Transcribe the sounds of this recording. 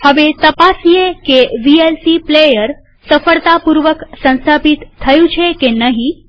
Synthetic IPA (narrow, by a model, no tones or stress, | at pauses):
həʋet̪əpasiekeʋielsiplejəɾ | səfəɭt̪apuɾʋəksə̃nst̪ʰapit̪ʰːəjũt͡ʃʰekenəɦĩ